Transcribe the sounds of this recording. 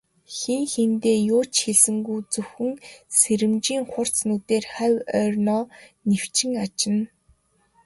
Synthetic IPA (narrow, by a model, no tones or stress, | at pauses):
xeŋxent̪eːjʊːt͡ɕxeɮsɘ̆ŋɡujt͡sɵwxɘ̆ŋseɾɘ̆mt͡ɕiːŋχʊr̥t͡snut̪eːrχæwœːrʲnɔːnew̥t͡ɕɪ̆ŋat͡ɕɪ̆n